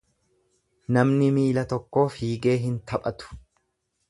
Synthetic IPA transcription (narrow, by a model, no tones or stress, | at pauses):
nɐmnɪmiːlɐt̪ɔkːo̞ːfiːɡe̞ːɦɪnt̪ʰɐpʼɐt̪ʊ̥